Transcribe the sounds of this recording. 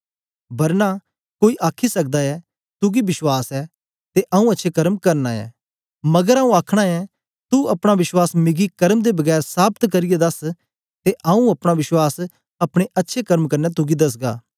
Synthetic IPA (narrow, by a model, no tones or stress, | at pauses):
bɐɾna | koːiʔaːkʰisɐk̚d̪aɛ | t̪ʊɡibɪʃwaːsɛ | t̪eʔɐũɐtːʃʰekɐɾmkɐɾnaɛ̰ː | mɐɡəɾaũaːkʰɽ̃aɛ | t̪uɐpɽ̃aʋɪʃwaːsmɪɡikɐɾmd̪ebɐɡɛːɾsaːb̚t̪kɐɾɪjed̪ɐs | t̪eʔɐũɐpɽ̃aʋɪʃwaːs | ɐpɽ̃eʔɐtːʃʰekɐɾmkɐɾnɛt̪ʊɡid̪ɐs̬ɡa̰ː